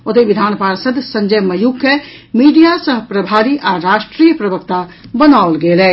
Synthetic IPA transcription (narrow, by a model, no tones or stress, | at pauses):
ot̪eʋid̪ʱanpaɾsəd̪ʱsəɲd͡ʒəjməjukːemiɖijasəɦpɾəbʱaɾiʔaɾaʃʈɾijəpɾəbəkt̪abənawlɡelɛ